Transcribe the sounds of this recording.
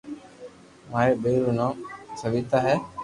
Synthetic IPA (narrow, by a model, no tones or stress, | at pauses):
maebeɾunɔsəʋit̪aɦɛ